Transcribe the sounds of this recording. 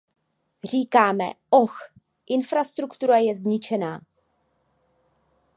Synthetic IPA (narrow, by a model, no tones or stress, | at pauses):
r̝iːkaːmɛ̰ʔox | ʔɪnfɾast̪ɾukt̪uɾajɛzɲɪt͡ʃɛnaː